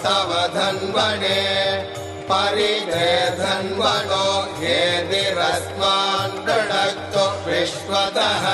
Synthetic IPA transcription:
t̪ɐʋɐd̪ʱɐnʋɐne | pɐɾineːd̪ʱɐnʋɐnoɦeːd̪iɾɐsmaːnd̪ɐɽɐjt̪ːokɾɪʃʋɐd̪ɐɦɐ

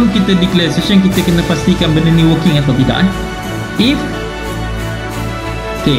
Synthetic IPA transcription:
nkit̪ədikləsəʃəŋkit̪əkənəpast̪ikanbənəniwəkɪŋat̪awt̪ida̰ʔan | ɪf | oke

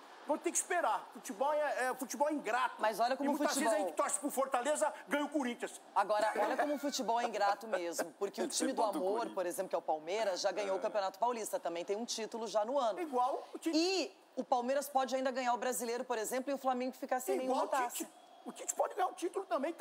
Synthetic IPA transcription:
vɐ̃t̪ẽkɪ̥speɾaɾfut͡ʃibɔwɛɛʊfut͡ʃibɔwɛĩɡɾat̪ʊmɐzɔʎɐkõmʊ̃fuɐt͡ʃzt͡ʃɪvebɔzaĩt̪ɔsɪ̥pʊɾfoɾt̪alezɐɡɐ̃j̃ʊkoɾĩt͡ʃiɐs | aɡɔɾɐʔɔʎɐkõmʊʊfut͡ʃibɔwɛĩɡɾat̪ʊmezmʊpʊɾkeʊt͡ʃĩmɪd̪ʊammoɾpoɾezẽmplʊkɛʊpawmeɾɐzʒaɡɐ̃ɲowʊkɐ̃piõnat̪ʊ̥pawlist̪ɐt̪ɐ̃mbẽj̃t̪ẽj̃ũt͡ʃit̪ʊlʊʒanʊɐ̃nʊiɡwawt͡ʃiɪ | ʊpawmeɾɐspɔd͡ʒɪaĩnd̪ɐɡɐ̃ɲaɾʊbɾazilejɾʊpoɾezẽmplʊɪʊflamẽŋɡʊfikaɾsẽẽwawãt̪aist͡ʃ | ʊt͡ʃit͡ʃpɔd͡ʒɪɡɐ̃ɲaʊt͡ʃit̪ʊlʊt̪ɐ̃mbẽj̃t̪

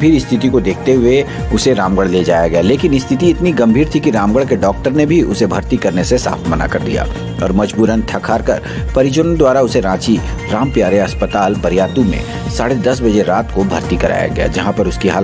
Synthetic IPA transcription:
bʱiːɾɪst̪ʰɪt̪ikod̪eːkʰt̪eɦʊe | ʊseɾãːmɡəɽleːd͡ʒa̰ːjaɡɐjaleːkɪnɪst̪ʰɪt̪iɪt̪niɡɐ̃mbʱiːɾt̪ʰikiɾãːmɡəɽkeɖɔːkʈəɾnebʱiʔʊsebʱɐɾt̪ikɐɾnesesa̰ːfʰmɐna̰kɐɾd̪ḭja̰ː | ɔ̰ːɾmɐd͡ʒbuːɾənt̪ʰɐkʰaːɾkɐ̰ɾ | pɐɾɪt͡ʃənd̪waːɾaʊseɾãːt͡ʃi | ɾaːmpjaːɾeɐspət̪aːlbɐɾjaːt̪umḛ̃ | saːɽed̪ɐsbɐd͡ʒeɾaːt̪kobʱɐɾt̪ikɐɾa̰ːja̰ɡɐja̰d͡ʒɐɦãpɐɾʊskiɦaː

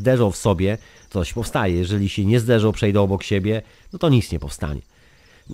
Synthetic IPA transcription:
d̪ɛʐɔwfsɔbʲjɛ | t̪sɔɕpɔfst̪ajɛjɛʐɛlʲiɕɛɲɛzd̪ɛʐɔwpʂɛjd̪ɛɔbɔkɕeɛbʲjɛ | nɔt̪ɔɲit̪sɲɛpɔfst̪a̰ɲɛ̰

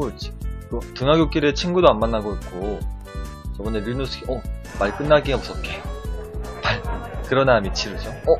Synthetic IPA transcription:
ot͡ɕi̥kotɯŋɦaɡʲjok͈iɾiet͡ɕʰinɡudoanmanːaɡoik͈o | t͡ɕʌbʌneɾunos͈ʰɯɡiʔʌ | maɭk͈ɯnːaɡiɡapus͈ʌt̚k͈e | maɭkɯɾʌnamit͡ɕʰiɾɯd͡ʑoʌ

